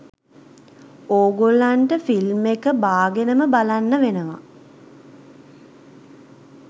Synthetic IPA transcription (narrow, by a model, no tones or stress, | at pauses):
oːɡolːaɳʈəfilmekəbaːɡenəməbalanːəʋenəʋa̰